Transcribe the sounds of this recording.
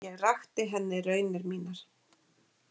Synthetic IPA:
jɛɣraxt̪ɪɦɛnːɪrœɥnɪɾmiːnaɾ̥

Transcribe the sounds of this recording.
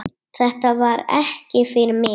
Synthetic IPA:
θɛht̪avaɾɛ̰hcɪfɪɾmɪ

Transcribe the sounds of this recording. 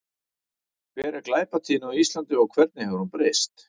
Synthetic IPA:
vɛːɾɪklaːjpat̪ʰiːnawist̪lant̪ʏawkʰvɛɾt̪̚nɪhɛvʏɾunpɾest̪

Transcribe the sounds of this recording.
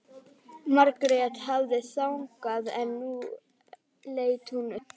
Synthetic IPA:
maɾkɾejat̪havðɪsawŋkaðɛnːu | leːjt̪hunʏ

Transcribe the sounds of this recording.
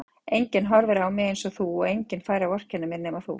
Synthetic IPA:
ejɲcɪnɦɔɾvɛɾawmɪejnsɔθuɔɣejɲcɪnfaːjɾawɔr̥cɛnːɪmɛɾnɛːmaθṵ

